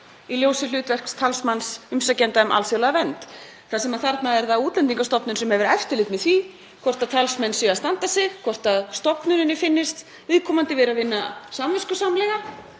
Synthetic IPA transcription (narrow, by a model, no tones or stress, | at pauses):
iljoːwsɪlʏːt̪vɛr̥kst̪ʰalsmansʏmsacɛnt̪aɛmʔa̰lsjowlaɣavɛnt̪ | θasɛmaðθaɾt̪naðɛɾðauːt̪lɛnt̪iŋkast̪ɔpnʏnsɛmhɛvɪɾɛft̪ɪlɪt̪mɛðθvi | kʰvɔr̥t̪aðt̪ʰalsmɛnːsʏɣast̪ant̪asɛɣkʰvɔr̥t̪aðst̪ɔpnʏɾɪnːɪfɪnːɪst̪ | vɪːðkʰɔːmant̪ɪvɛːɾavɪnːasamvɛskʏsamlɛɣa